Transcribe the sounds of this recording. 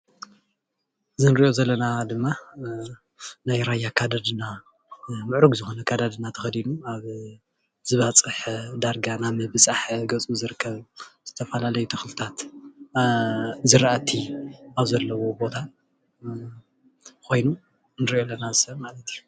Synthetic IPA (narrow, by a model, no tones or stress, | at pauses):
ɨzɨnɨɾiʔo̞zɐlːɐnad̪ɨmːa | najɾajakʰad̪ad̪ɨna | mɨʕɾuɡzɨxo̞nɐkʰad̪ad̪ɨnat̪ʰɐxɐd̪inuaβ | z̥ɨβat͡sʼɨħd̪aɾɡanamɐbɨsʼaħɡɐt͡sʼuzɨɾɨkʰːɐβz̥ɨt̪ʰɐfɐlalɐjut̪ʰɐxlɨt̪ʰat̪ | zɨɾʔat̪ʰiaβzɐlːɐwo̞bo̞t̪ʰa | kʰo̞jnu | nɨɾʔo̞lːɐnazɨsɐmalɐt̪ʰiju